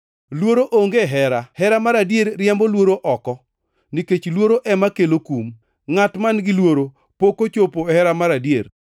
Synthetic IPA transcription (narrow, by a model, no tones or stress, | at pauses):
lwoɾoʔoŋɡeɦɛɾahɛɾamaɾadjeɾːɪjambolwoɾoʔɔkɔ | niket͡ʃlwoɾoʔɛmakelokum | ŋatmanɡɪlwoɾo | pokot͡ʃopohɛɾamaɾadjeɾ